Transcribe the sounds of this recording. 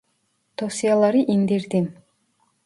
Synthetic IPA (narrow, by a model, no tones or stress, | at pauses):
t̪ʰosijɑlˠɑɾɯʔiŋd̪eɾd̪im